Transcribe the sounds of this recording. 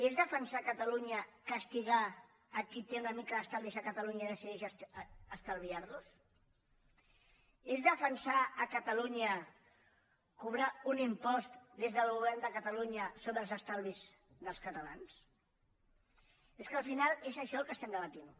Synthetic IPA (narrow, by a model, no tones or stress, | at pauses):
ezðəfənsakət̪əluɲəkəst̪iɣ̞aː | kit̪eunəmikəəst̪alβizəkət̪əluɲəiðəsiðɛʃː | st̪əlˠβiarlus | ezðəfənsaːkət̪əluɲə | kuβɾaunimpɔst̪d̪ezðəlˠɣuβɛɾnd̪əkət̪əluɲəsoβɾəlˠzəst̪alˠβiz | ðəlˠskət̪əlans | eskəlˠfinalˠezəʃɔlˠkəst̪ɛnd̪əβət̪in